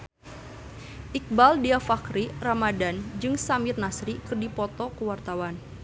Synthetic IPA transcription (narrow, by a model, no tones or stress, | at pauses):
ʔik̚baldiafakɾiramadand͡ʒɨŋsamirnasɾikɨrdipɔt̪ɔkəwart̪awan